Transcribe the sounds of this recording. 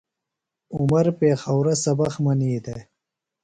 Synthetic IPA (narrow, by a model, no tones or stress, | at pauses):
ʊmaɾpeːxawɾasɐbɐxmɐniːd̪e